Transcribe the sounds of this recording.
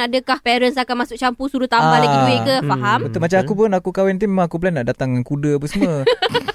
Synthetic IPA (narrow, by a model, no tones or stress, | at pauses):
adəkahpɛɾənsakanmasʊk̚t͡ʃampusuɾuht̪ambadaɡiduekəfaɦambət̪umat͡ʃamakubənakukawɛnt̪imemaŋakup̬lanːaʔdat̪aŋankudəap̬əsəmə